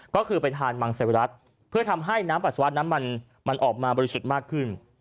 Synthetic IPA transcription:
kɔː˥˩kʰɯː˧pa˧jt̪ʰaː˧nma˧ŋse˧˩wɾa˦˥t̪̚ | pʰɯ˥˩ɐt̪ʰa˧mɦa˥˩jnaː˦˥mpa˨˩t̪sa˧wa˦˥t̪̚na˦˥nma˧n | ma˧nʔɔː˨˩k̚maː˧bɔː˧ɾi˦su˨˩t̪̚maː˥˩kʰːɯ˥˩n

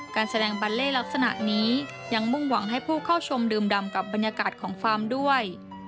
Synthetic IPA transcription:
kaː˧nsa˧dɛː˧ŋba˧t̪̚leː˥˩la˦˥k̚sa˧na̰˨˩ʔniː˦˥ | ja˧ŋmu˥˩ŋwa˨˩˦ŋɦa˥˩jpʰuː˥˩kʰa˥˩wt͡ɕʰo˧mdɯː˧mda˧mka˨˩p̚ba˧njaː˧kaː˨˩t̪̚kʰɔː˩˦ŋkʰaː˧mdu˥˩əj

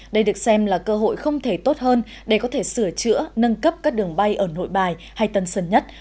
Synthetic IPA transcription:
ɗə˧jɗɨ˨˩ə˩k̚sɛ˧mlaː˨˩kəː˧ɦo̰˧˨jxə˧wŋ͡mt̪ʰe˧˩t̪o˦˥t̚həː˧n | ɗe˧˩kɔ˨˦t̪ʰe˧˩sɨ˧˩ət͡ɕɨ̰˧˥ənə˧nkə˦˥p̚kaː˦˥k̚ɗɨ˨˩əŋɓa˧jʔəː˧˩no̰˧˨jɓaː˨˩j | ha˧jt̪ə˨˧˩nsə˧˩nɲə˦˥t̚

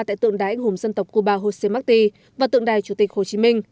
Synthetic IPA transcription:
t̪a̰ː˧˨jt̪ɨ̰˧˨əŋɗaː˨˦ʔŋhʊ˧˩mzə˧nt̪ə˨˩wk͡p̚ku˧ɓaː˧ɦo˧se˧maː˦˥k̚t̪i˧ | vaː˨˩t̪ɨ̰˧əŋɗaː˨˩jt͡ɕu˧˩t̪i˨˩k̟̚ho˨˩t͡ɕi˨˦mï˧ŋ̟

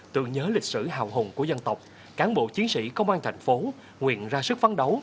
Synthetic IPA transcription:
t̪ɨ̰˧˨əŋɲəː˨˦lï˨˩k̟̚sɨ̰˧˩ɦa̰ː˧˨wɦo˨˩nku˧˩əzə˧nt̪ə˨˩wk͡p̚ | kaː˨˦nɓo̰˧˨t͡ɕi˨˦ənsḭ˧˥kə˧wŋ͡mʔaː˧nt̪ʰa˨˩jŋ̟fo˨˦ | ŋwḭ˧˨ənzaː˧sɨ˦˥k̚faː˨˦nɗə˨˦w

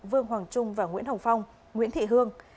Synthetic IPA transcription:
vɨ˧əŋɦwaː˨˩ŋt͡ɕʊ˧ŋ͡mvaː˨˩ŋḭ˧˥ənhə˨˩wfa˧wŋ͡m | ŋwḭ˧˥ənt̪ʰḭ˧˨ɦɨ˧əŋ

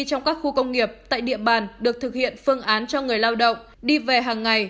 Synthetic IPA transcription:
t͡ɕɔ˧wŋ͡mkaː˦˥k̚xu˧kə˧wŋ͡mŋi˨˩əp̚t̪a̰ː˧˨jɗḭ˧˨əɓaː˨˩nɗɨ˨˩ək̚t̪ʰɨ˨˩k̚hḭ˧˨ənfɨ˧əŋʔaː˨˦nt͡ɕɔ˧ŋɨ˨˩əjlaː˧wɗə̰˧˨wŋ͡m | ɗi˧ve˨˩ɦaː˨˩ŋːa˨˩j

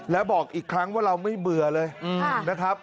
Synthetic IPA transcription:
lɛː˦˥wbɔː˨˩k̚ʔiː˨˩kʰɾa˦˥ŋwaː˥˩ɾa˧wma˥˩jmɯ˨˧ɐlɤː˧jna˦˥kʰɾa˦˥p̚

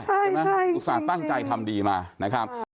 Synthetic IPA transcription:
a˥˩ja˥˩u˦˥saː˨˩t̪̚a˥˩ŋt͡ɕa˧jt̪ʰa˧mdiː˧maː˧na˦˥kʰɾa˦˥p̚

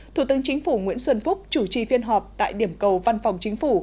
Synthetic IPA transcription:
t̪ʰu˧˩t̪ɨ˨˦əŋt͡ɕï˨˦ŋ̟fu˧˩ŋwḭ˧˥ənswə˧nfʊ˦˥k͡p̚t͡ɕu˧˩t͡ɕi˨˩fi˧ənɦɔ˨˩p̚t̪a̰ː˧˨jɗi˧˩əmkə˨˩wva˧nfa˨˩wŋ͡mt͡ɕŋ̟fu˧˩

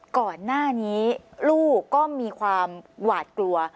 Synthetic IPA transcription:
kɔː˨˩nːaː˥˩niː˦˥luː˥˩kɔː˥˩miː˧kʰwaː˧mwaː˨˩t̪̚klu˧ɐ

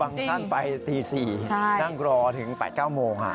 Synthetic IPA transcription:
aː˧ŋt̪ʰa˥˩npa˧jt̪iː˧siː˨˩t͡ɕʰa˥˩na˥˩ŋɾɔː˧t̪ʰɯ˩˦ŋpɛ̰ː˨˩t̪̚kaː˥˩wmoː˧ŋʔa̰˧˩

